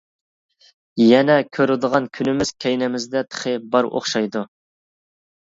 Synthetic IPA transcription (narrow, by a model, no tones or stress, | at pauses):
jɛnɛkʲʰøɾɪd̪əʁɑnkʲʰynɪmɪz̥kʲʰɛjnɛmɪzd̪ɛt̪ʰə̥χɪbɑɾʔo̰χʃɑjd̪u